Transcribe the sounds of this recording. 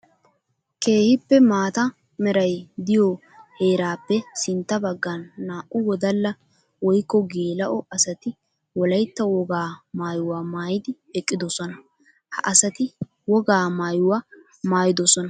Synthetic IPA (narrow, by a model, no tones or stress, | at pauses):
ke̞ːhɪpːɛmaːt̪ɐ | mɛɾɐjd̪ɪjɔ | he̞ːɾaːpːɛsɪnt̪ːɐbɐɡːɐnːaːʔʊwɔd̪ɐlːɐ | wɔjkːɔɡeːlɐʔɔɐsɐt̪ɪ | wɔlɐjt̪ːɐwɔɡaːmaːjʊwaːmaːjɪd̪ɪ | ɛkʼːɪd̪ɔsɔnɐ | hɐ̰ʔɐsɐt̪ɪ | wɔɡaːmaːjʊwa | maːjɪd̪ɔsɔnɐ